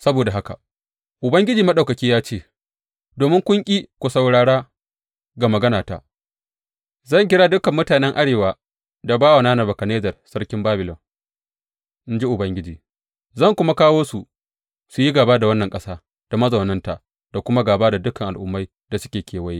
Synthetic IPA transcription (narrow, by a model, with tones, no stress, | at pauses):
sɐ˦boː˨da˨ɦa˦ka̰˨ | ʔʊ˨bɐ˦ŋɡʲɪ˦d͡ʒiː˨mɐ˦ɗa˨kɐ˨kʲiː˦jaː˦t͡ʃeː˦˨ | doː˨mɪ˦ŋkʷʊ˦ŋkʲʼiː˦kʷo˨sa˨wɽaː˨ɽaː˦ | ɡa˨mɐ˨ɡɐ˦naː˨ta̰˨ | zɐ˦˨ŋk̬ʲɪ˦ɽa˦dʊ˦kɐ˨mːʊ˦taː˨nɛ˦ŋʔa˦ɽeː˨waː˨ | da˨baː˦wa˨naː˦na˨bɐ˨ka˨neː˦zɐ˨rsɐ˦ɽkʲɪ˦mbaː˦bɪ˨lɔ˨ŋ | ʔɪ˦nd͡ʒi˦ʔʊ˨bɐ˦ŋɡʲɪ˦d͡ʒiː˨ | zɐ˦˨ŋkʷʊ˦ma˦kaː˦woː˦su˨ | su˨ji˦ɡaː˨baː˦da˨wɐ˦nːɐ˨ŋkʼɐ˦saː˦ | d̥a˨mɐ˦zɐ˨wnɐ˦nta˨ | d̥a˨kʷʊ˦ma˦ɡaː˨baː˦da˨dʊ˦kɐ˨ŋʔa˨lʔʊ˨mːa˦j | da˨sʊ̥˦kʲeː˨kʲeː˨wɐ˦jiː˦